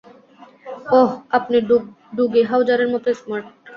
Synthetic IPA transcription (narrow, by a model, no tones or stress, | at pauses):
ɔɦapneɖ | ɖuɡeɦawd͡ʑaɾeɾmɔpɾesmaɾʈ̚